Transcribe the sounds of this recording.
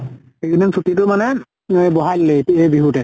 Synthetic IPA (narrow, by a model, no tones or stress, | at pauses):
xekʰinɛnsʰutitʊmanɛ | bɔɦajlːeejbiɦutɛ